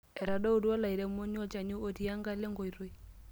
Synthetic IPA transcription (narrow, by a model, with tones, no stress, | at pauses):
ɛ˨ɾa˨dɔ˦u˦dwɔ˦la˨i˨ɾe˨mo˦ɲ˦ɔ˦t͡ʃa˨ɲu˦o˦ti˦a˦ŋɡa˦le˦ŋɡo˨i˨ɾo˦i˦